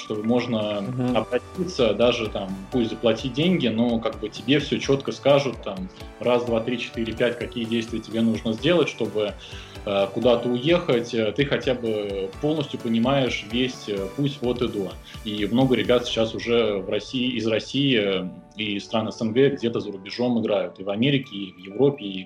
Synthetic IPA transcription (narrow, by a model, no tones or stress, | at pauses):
ʂt̪o̞bɨmo̞ʐnəɐbɾɐtʲit̪səd̪aʐɨt̪ampusʲtʲzəplˠɐtʲit̚ʲdʲenʲɡʲɪno̞kaɡ̚bɨtʲɪbʲe̞fsʲɵt͡ɕo̞t̪kəskaʐʊt̪ːamrasd̪vat̪ɾʲit͡ɕɪ̥t̪ɨɾʲɪpʲætʲkɐkʲijədʲejst̪vʲɪjətʲɪbʲenuʐnəzʲdʲe̞lˠətʲʂt̪o̞bɨ | əkʊd̪at̪əʊje̞xətʲəːt̪ɨxɐtʲabɨpo̞lˠnəsʲtʲjʊpənʲɪmajɪʂvʲesʲəpusʲtʲo̞t̪ɨd̪o | imno̞ɡəɾʲɪbʲat̪sʲɪ̥t͡ɕːasʊʐɛvrɐsʲiːzrɐsʲijɪ | ist̪ɾanəsənɡɛɡdʲe̞t̪əzəɾʊbʲɪʐo̞mɨɡɾajʊt̪ɨvɐmʲeɾʲɪkʲɪːvjɪvɾo̞pʲɪː